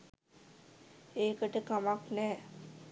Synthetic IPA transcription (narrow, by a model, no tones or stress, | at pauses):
eːkəʈəkamaknɛː